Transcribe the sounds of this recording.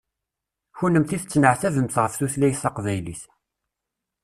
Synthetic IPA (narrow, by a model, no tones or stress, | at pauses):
çunːəmθiθt͡sːnəʕθævəmθʁəfθuθlæjsɑqvæjliθ